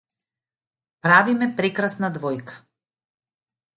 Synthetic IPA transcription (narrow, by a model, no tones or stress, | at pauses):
pɾavimɛpɾɛkɾasnad̪vɔjkḁ